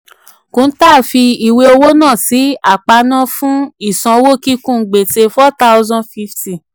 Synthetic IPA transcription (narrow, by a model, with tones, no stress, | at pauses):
kũ˨˦n̩˦ta˦˨fi˧i˨we˧o˧wo˦nãː˦˨si˨˦a˦˨k͡pa˧nã˦fũ˦i˦˨sã˧wo˦ki˦kũ˦˨˦ɡ͡be˨te˧fɔ˦ta˧wzã˧nfi˧fti˨